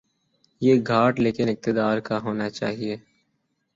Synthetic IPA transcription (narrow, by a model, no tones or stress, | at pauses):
jeːɡʱaːʈleːkɪnɪk̚t̪ɪd̪aːɾkaɦoːnat͡ʃaːɦieː